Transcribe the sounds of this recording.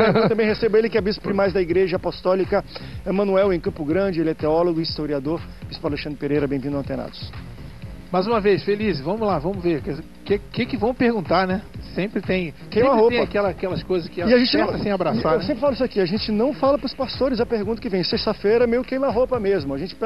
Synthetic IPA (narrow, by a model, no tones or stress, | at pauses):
ẽwt̪ɐ̃bẽj̃hesebɐelɪkɪabizʊ̥pɾɪmajzd̪ɐiɡɾeʒɐapɔst̪ɔlikɐẽmɐ̃nuɛwẽkɐ̃pʊɡɾɐ̃d͡ʒɪelɪɛt̪eɔloɡʊist̪oɾiad̪oɾ | bispawɾaleʃɐ̃d̪ɾɪpeɾejɾɐbẽj̃vĩd̪ɐ̃t̪ẽna̰d̪ʊs | majzũmɐvejsfelizɪvɐ̃mʊlavɐ̃mʊveɾkɛ | kekɪkɪvɐ̃w̃pehɡũnt̪aɾnɛsẽmpɾɪt̪ẽj̃ | kẽj̃mahoepɐ̃akɛlɐkɛlɐskojzɐskɪɪaʒẽt͡ʃɪ̃ɐsĩj̃abɾassaewsẽpɾɪfalʊisʊakiaʒẽt͡ʃɪnɐ̃w̃falɐpɾʊspast̪oɾɪzɐpeɾɡũt̪ɐkɪvẽj̃sest̪ɐfejɾɐmejʊkẽj̃mɐaɦopɐmezmʊaʒẽnt͡ʃɪ̥